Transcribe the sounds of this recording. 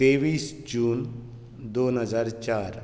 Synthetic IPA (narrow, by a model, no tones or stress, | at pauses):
t̪eʋiːsd͡ʑuːn | d̪onɦəd͡zaɾt͡ɕaɾ